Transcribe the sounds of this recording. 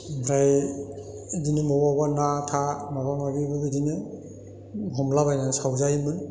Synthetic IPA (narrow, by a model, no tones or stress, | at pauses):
bɾaj | edinɯmɔwabanatʰamabaŋabibɯɯdinɯ | ɦɔmlabajnasawzajmɯn